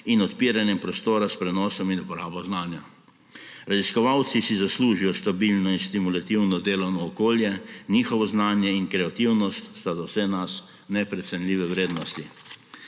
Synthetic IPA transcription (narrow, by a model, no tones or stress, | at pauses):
inɔt̪piːɾanjɛmpɾɔst̪oːɾaspɾɛnɔːsɔminupɔɾaːbɔznaːnja | ɾaziskɔʋawt̪sisizasluːʒijɔst̪abilnɔinst̪imulat̪iwnɔd̪eːlɔwnɔːkoːljɛniːxɔʋɔznaːnjɛinkɾɛat̪iwnɔst̪st̪azawsɛnas | nɛpɾɛt̪sɛnliːʋɛwɾeːd̪nɔst̪i